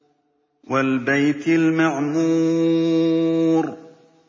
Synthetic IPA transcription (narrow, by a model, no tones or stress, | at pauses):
walbajt̪almaʕmuː | ɾ